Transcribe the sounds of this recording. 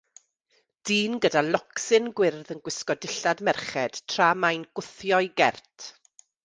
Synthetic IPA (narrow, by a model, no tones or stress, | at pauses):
d̥iːnɡədalˠɔksɨnɡwɪrðənɡwɪskɔdɪɬadmɛrχɛd̥tʰramajnɡ̥ʊθjɔɨɡɛrtʰ